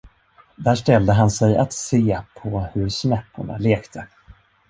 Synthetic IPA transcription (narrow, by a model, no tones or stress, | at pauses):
d̪æːʂtɛld̪əɦansɛjat̪seːpʰɔhɵɾsnɛpːʊ̰ɳa̰leːkt̪ʰə